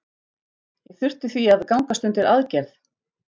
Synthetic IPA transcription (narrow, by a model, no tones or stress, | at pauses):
jɛɣθʏr̥t̪ʏθviaðkawŋkast̪ʏnt̪ɪɾʔaðcɛɾθ